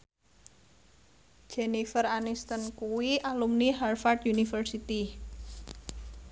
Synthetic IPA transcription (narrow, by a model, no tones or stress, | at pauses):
d͡ʒ̥ɛnifəranist̪ənkuwiʔalumniɦarfart̪junifərsit̪i